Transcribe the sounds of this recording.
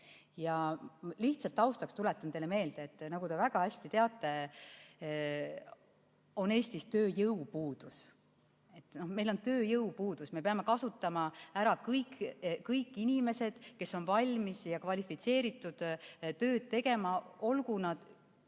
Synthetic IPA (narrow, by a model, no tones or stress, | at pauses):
jɑliht̪sɑlt̪ːˑɑwst̪ɑkst̪ule̞t̪ːˑɑnd̪e̞leme̞ːld̪̥eːt̪ːˑnɑɡut̪e̞væɡ̥ɑæsʲt̪it̪eɑt̪ːˑe̞ | o̞ne̞ːsʲt̪ist̪ø̞ːjɤupuːd̪̥us | e̞t̪ːˑno̞hme̞jlo̞nt̪ø̞ːjɤwpuːd̪̥usme̞peɑme̞kɑsut̪ːˑɑmɑæɾɑkɤjkkɤjkːˑinʲime̞se̞d̪̥ke̞sːo̞nvɑlʲmisjɑkvɑlʲifit̪se̞ːɾit̪ːˑud̪̥t̪ø̞ːd̪̥̚t̪e̞ɡ̥e̞mɑo̞lkunɑd̪̥